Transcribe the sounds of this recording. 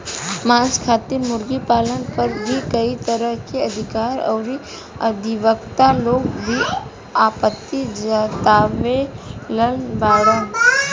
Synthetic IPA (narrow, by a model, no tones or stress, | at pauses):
mãːd͡ʒkʰaːt̪iɾmʊɾɡipaːlənpɐɾbʱikəit̪əɾəɦkeɐd̪ʱɪkaːɾɔ̰ːɾi | ɐd̪ʱɪʋəkt̪aloːɡbʱi | aːpət̪ːid͡ʒat̪aːʋeləlbaːɽə